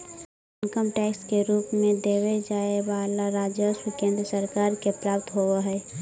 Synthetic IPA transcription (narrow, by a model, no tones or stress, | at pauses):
ənkəmʈɛːkskeɾuːpmẽd̪eːʋed͡ʒaːeʋaːlaɾaːd͡ʒjəʃwikẽːnd̪ɾəsəɾaːɾkepɾaːp̚t̪ɦoʋaɦɛː